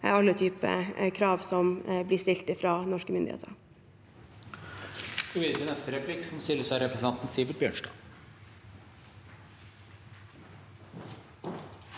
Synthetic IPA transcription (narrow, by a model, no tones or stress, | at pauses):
ɑlːət̪ʰyːpə̰kʰɾɑːʋsɔmblɪst̪ɪlt̪ɪfɾɑːnɔʂkəmʏnd̪ɪḛːt̪ə̰ɾ | ɪʋɪd̪ənɛst̪əɾɛpʰlɪksɔmst̪ɪlːəsæɪɾɛpɾəsnɑnt̪n̩siːʋəɾbjøːɳʂdɑ̰ː